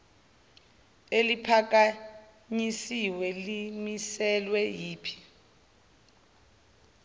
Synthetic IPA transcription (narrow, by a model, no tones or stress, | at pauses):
elipʰak̬a | ɲisiwɛlimisɛlwɛjiːpʰi̥